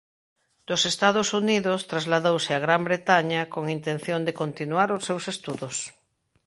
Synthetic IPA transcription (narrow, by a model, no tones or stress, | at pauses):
d̪̥osest̪að̞osuniðost̪ɾazlaðowsɪaɣ̞ɾambɾet̪aɲakoŋint̪ẽnθjõnd̪ekont̪inuaɾosːewsest̪uðos